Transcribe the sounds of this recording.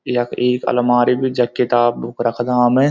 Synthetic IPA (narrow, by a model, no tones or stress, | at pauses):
jɐkʰeːkɐ̰lɐmaːɾibʱid͡ʒɐkːit̪aːbbʊkɾɐkʰd̪aːmẽ